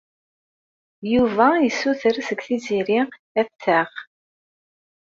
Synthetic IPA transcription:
juvæjisːuθəɾsəɡθiziɾi | æθːəʁ

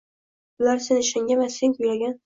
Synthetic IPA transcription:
ʊlaɾse̞nɪʃaŋɡʲamaseŋkʰʊjlaɡʲan

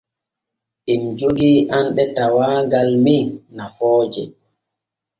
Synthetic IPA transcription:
ʔimd͡ʒoɡiʔanɗɛtawaːɡalminnafɔːd͡ʒɛ

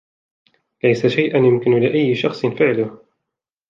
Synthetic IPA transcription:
lajsaʃajʔanjʊmkɪnlɪʔajːɪʃɑxsˤɨnfɪʕlʊh

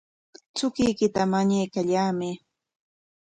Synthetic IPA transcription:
t͡sʊkɪjkɪt̪amaɲajkaʎaːmɪ

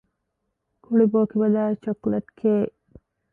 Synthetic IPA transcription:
kʰuɭiboːkibɐlaːet͡ʃokleʈkeː

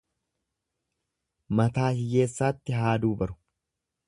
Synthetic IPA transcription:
mɐt̪aːhɪje̞ːsːaːt̪ːɪɦaːd̪uːbɐɾʊ̥

